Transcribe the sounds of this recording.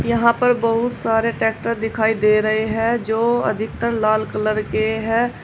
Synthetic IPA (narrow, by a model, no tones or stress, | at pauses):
jəɦãpəɾbəɦʊt̪saːɾeʈɛːk̚ʈəɾd̪ɪkʰaːid̪eːɾəɦeɦɛ̃d͡ʒoːə̰d̪ʱɪk̚t̪əɾlaːlkələɾkeɦɛː